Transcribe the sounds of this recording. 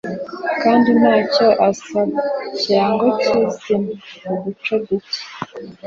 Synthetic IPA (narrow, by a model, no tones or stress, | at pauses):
kaːndinaːcoʔasaβacaŋɡot͡ʃizimuβut͡ʃobute̥